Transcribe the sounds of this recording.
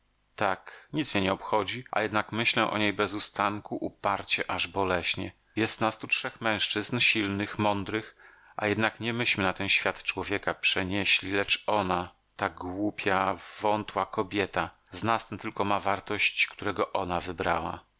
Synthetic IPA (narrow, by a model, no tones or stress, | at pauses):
t̪akɲit̪smʲɛɲɛɔpxɔd͡ʑiʔa̰jɛd̪nakmɘɕlɛ̃ʔɔ̰ɲejbɛzust̪aŋkuʔupaɾt͡ɕɛʔaʐbɔlɛɕɲɛ | jɛst̪nast̪utʂɛxmɛ̃w̃ʂt͡ʂɘznɕilnɘxmɔnd̪ɾɘx | ʔa̰jɛd̪nakɲɛmɘɕmɘnat̪ɛnɕfʲjat̪t͡ʂwɔvʲjɛkapʂɛɲeɕlʲilɛt͡ʂɔna | t̪aɡwupʲʰjavɔnt̪wakɔbʲjɛt̪a | znast̪ɛnt̪ɘlkɔmavaɾt̪ɔɕt͡ɕkt̪uɾɛɡɔʔɔnavɘbɾa̰wa̰